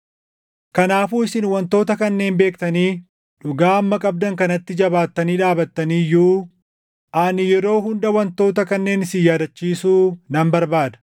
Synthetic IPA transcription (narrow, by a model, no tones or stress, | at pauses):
kɐnaːfuːɪsɪnwɐnt̪o̞ːt̪ɐkɐnːe̞ːmbe̞ːkt̪ɐniː | ᶑʊɡaːɐmːɐkʼɐb̚d̪ɐŋkɐnɐt̪ːɪd͡ʒɐbaːt̪ːɐniːᶑaːbɐt̪ːɐniːjuː | ʔaːnɪjɛɾo̞ːɦʊnd̪ɐwɐnt̪o̞ːt̪ɐkɐnːe̞ːnɪsɪjːaːd̪ɐt͡ʃːiːsuːnɐmbɐɾbaːd̪ɐ̥